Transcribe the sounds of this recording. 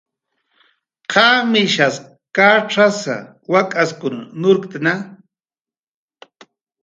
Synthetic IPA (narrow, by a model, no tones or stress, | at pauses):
qʰaːmɪʃas | kaʈ͡ʂasa̰ | wakʼaskʊnnʊɾkt̪ana